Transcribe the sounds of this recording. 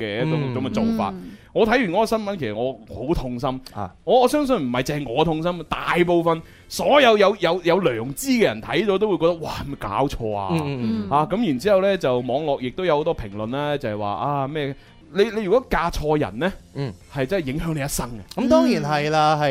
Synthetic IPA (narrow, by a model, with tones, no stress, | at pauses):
kɛ˧jɛː˥ʊ˨kɐ˨˦mɛ˧t͡so˨˧wfa̰ː˧t̚ŋɔː˨˧t̪ʰjy˨˩nkɔ˨˥ɡɔː˧sɐ˥nmɐ˨˥nkʰe˨˩sɐ˨˩ŋɔː˨˧ho˨˥wt̪ʰʊ˧ŋsɐ˥m˨ŋɔː˨˧ɔː˨˧sœː˥ŋs̬ɵ˧nm̩˨˩hɐ˨jt͡sɛː˧ŋŋɔː˨˧t̪ʰʊ˧ŋs̬ɐ˥ma˧t̪aː˨jp̬o˨˧wfɐ˨˧n | sɔː˨˥jɐ˨˧wjɐ˨˧wjɐ˨˧wjɐ˨˧wlœː˨˩ŋt͡siː˥kɛ˧jɐ˨˩nt̪ʰɐ˨˥jt̪ɔ˨˥t̪o˥wjkɔː˧kt̪k̚waː˨˩hɐ˨˩mɐ˨˩jka̰ː˨˥wt͡ʃʰɔː˧a̰ː˧haː˨˧kɐ˨˥mji˨˩nt͡si˨˥hɐ˨wlɛː˥t͡sɐ˨wmɔː˨˧ŋlɔː˨k̚jɪ˨k̚t̪wjɐ˧who˨˥t̪ɔ˥pʰɪ˨˩ŋlɵ˨nlaː˥t͡sɐ˨hɛ˨˩wa̰ː˨ʔaː˧mɛː˥ | le˨˧jle˧jɥy˨˩kɔː˨˥kaː˧t͡ʃʰɔː˧jɐ̰˨˩nlɛ˥˨hɐ˨jt͡sɐ˥ɦjɪ˨˥ŋɦœː˨˥ŋle˨˧jɐ˥tsɐ˥ŋɐ˧kɐ˦˥mt̪ɔː˥ŋjiː˨˩nɦɐ˨jlaː˧ɦɐ˨